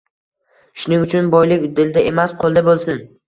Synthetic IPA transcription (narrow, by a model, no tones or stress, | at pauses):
ʃʊnɪŋʊt͡ʃʰʊnbɒjlɪkʲd̪ɪld̪ae̞masqʰolˠd̪abolˠsɪn